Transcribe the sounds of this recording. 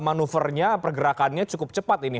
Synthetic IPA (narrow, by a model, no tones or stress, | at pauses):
manufərɲapərɡəɾakanɲat͡ʃukʊp̚t͡ʃəpat̪ini